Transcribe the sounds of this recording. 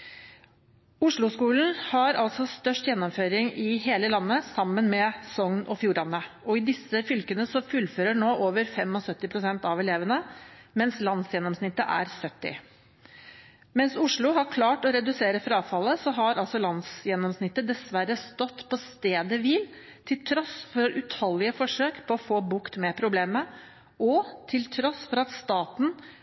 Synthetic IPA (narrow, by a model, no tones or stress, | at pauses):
ʊʂɭʊskuːln̩hɑɾɑlsɔst̪œʂʈjɛnːɔmføːɾɪŋɪɦeːləlɑnːəsɑmːənmɛsɔŋnʔɔ̰fjuːɾɑnːə | ɔɪd̪ɪsːəfʏlkənəsɔfʉlføːɾəɳoːʔoːʋəɾfɛmɔsœt̪ːɪpʰɾʊsɛnt̪ɑʋɛleːʋənəmɛnslɑnsjɛnɔmsnɪt̪ːə̰ʔæ̰ɾsœt̪ːɪ̰ | mɛnsʊʂɭʊɦɑɾkʰlɑːʈɔɾɛd̪ʉseːɾəfɾɑːfɑlːəsɔɦɑɾɑlsɔlɑnsjɛnːɔmsnɪt̪ːəd̪ɛsʋæɾəst̪ɔt̪ːpʰɔst̪eːd̪əʋɪl | t̪ʰɪlt̪ʰɾɔsfɔɾʉt̪hɔlːɪəfɔʂøːkpʰɔɔfoːbʊkt̪mɛpʰɾʊbleːmə | ɔt̪ʰɪlt̪ʰɾɔsfɔɾɑt̪st̪ɑːt̪n̩